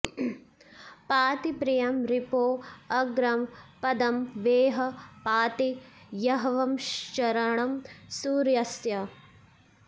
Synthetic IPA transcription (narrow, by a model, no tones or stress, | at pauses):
paːt̪ipɾijɐmɾipoːɐɡɾɐmpɐd̪ɐmʋeːɦɐ̆paːt̪i | jɐɦɐʋɐmʃt͡ʃɐɾɐɳɐmsuːɾjɐsjɐ